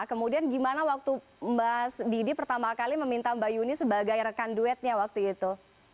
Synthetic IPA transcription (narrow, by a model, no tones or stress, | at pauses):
kəmudianɡimanawak̚t̪u | mbaɦasdidipərt̪amakaliməmint̪ambajunisəbaɡajrəkanduɛt̪̚ɲawak̚t̪uit̪u